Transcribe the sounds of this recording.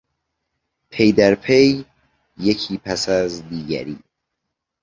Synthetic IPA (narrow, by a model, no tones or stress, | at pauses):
pʰe̞jd̪æɾpʰe̞jː | ecʰiːpʰæsæzd̪iːɟæ̰ɾiː